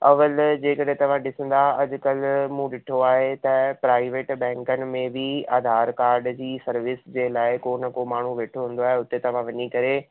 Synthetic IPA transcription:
ɐʋəld͡ʑeːkɐɗɦẽt̪ɐʋ̤ãɗɪsə̃n̆d̪aɐd͡ʑʊ̆kɐlmũɗɪʈʰoaːɦet̪ɐpɾaːɪʋeːʈbɛ̃ːŋkənɪ̆mẽbʱɪaːd̪ʱaːɾkaːɾɖd͡ʑiːsɐɾʋɪsd͡ʑeːlaːɪkoːnəkomaːɳ̤uʋeːʈʰoɦũːnd̪oaːɦeʊt̪et̪ɐʋ̤ãʋɐɲikɐɾe

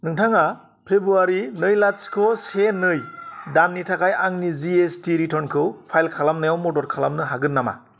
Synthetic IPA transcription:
nɯŋtʰaŋa | pʰebɾuaɾinɯjlaskʰɔsenɯjdanːitʰakʰajaŋniziestiɾitʰɔɾnkʰɯwpʰajlkʰalamnajawmɔtɔɾkʰalamnɯɦaɡɯnːama̰

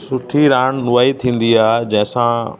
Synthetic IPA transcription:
sʊʈʰiɾaːñnʊʋaːit̪ʰĩːn̆d̪iaːd͡ʑɐ̃ɦɪ̃sã

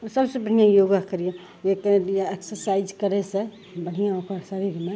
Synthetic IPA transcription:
səbsebəɽ̤ijãjoɡakəɾije | ekjaeksəɾsaɪd͡ʒkəɾese | bəɽ̤ijãõkʰəɾsaɾibima

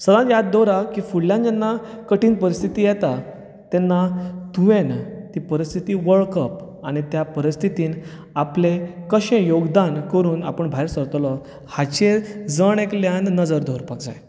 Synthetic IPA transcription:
səd̪ãt̪jad̪̚d̪oɾakiːfuɽljãnd͡ʑɛnːa | kəʈiːnpəɾist̪ʰit̪ijɛt̪a | t̪enːat̪uʋent̪ipəɾist̪ʰit̪iːʋəɭkəp | aɽ̃it̪japəɾist̪ʰit̪iːn | aplekəɕẽjoɡd̪ankəɾuːnapəɳbʱajɾsəɾt̪lɔ | hat͡ɕed͡zəɳ̃ekljanːəd͡zəɾd̪ʱoɾpakd͡za̰j

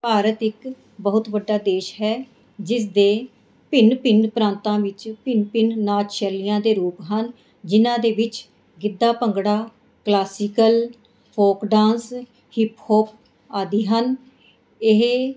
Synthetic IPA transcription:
paːɾət̪ɪk | bəɦʊt̪ʋəɖːaːd̪eːʃɦɛː | d͡ʒɪsd̪eː | pɪnpɪnpɾãːnt̪ãːʋɪt͡ʃpɪnpɪnnaːt͡ʃʃɛːlɪjãːd̪eːɾuːpɦən | d͡ʒɪnãːd̪eːʋɪt͡ʃ | ɡɪd̪ːaːpəŋɡɽaː | klaːsɪkəl | pʰoːkɖãːns | hɪphoːp̚ | aːd̪iːɦən | ɪɦ

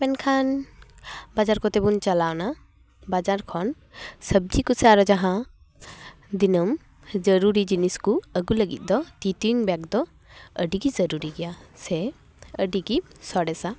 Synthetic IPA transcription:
pɛnkʰan | bad͡ʒaɾkɔt̪ɛbunt͡ʃalawna | bad͡ʒaɾkʰɔn | səb̚d͡ʒikusɛaɾɔd͡ʒaɦã | d̪inəm | d͡ʒəɾuɾid͡ʒiniskuəɡuləɡḭt̪̚ˀd̪ɔt̪it̪uiŋbak̚d̪ɔ | əɖiɡizəɾuɾiɡɛjasɛ | əɖiɡisɔɽɛsa

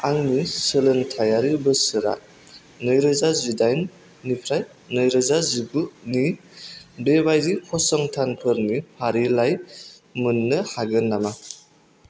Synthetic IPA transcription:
aŋnisɯlɯntʰajaɾibɯsɯɾa̰ | nɯjɾɯzazidajnː | ipʰɾaj | nɯjɾɯzazibɯni | bebajɾikʰɔsɔŋtʰanpʰɯɾnipʰaɾilajmɯnːɯhaɡɯnːama

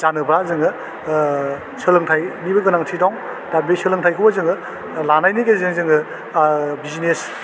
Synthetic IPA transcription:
zanɯbɾazɯŋɯ | sɯlɯŋtʰajnibɯɡɯnaŋtʰidɔŋ | d̥abesɯlɯŋtʰajkʰɯwbazɯŋɯ | lanajnikezɯŋzɯŋɯ | bizines

